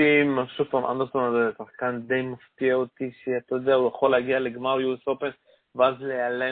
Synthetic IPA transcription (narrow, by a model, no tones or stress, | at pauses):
imaʃufamʔa̰nd̪et̪onazesaχkand̪ejmaft̪iaot̪iʃeat̪ajod̪eaujaχoleaɡialeɡmaʁjuesopen | veazleale